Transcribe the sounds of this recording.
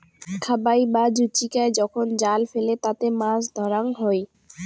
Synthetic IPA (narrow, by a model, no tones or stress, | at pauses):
kʰabajbad͡ʑut͡ɕikaed͡ʑɔkʰond͡ʑalfelet̪at̪emãsd̪ʱɔɾaŋɦɔj